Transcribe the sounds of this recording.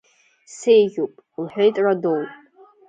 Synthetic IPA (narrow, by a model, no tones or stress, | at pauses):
sejʒʲupʼ | lħʷᶣajtʼradowpʼ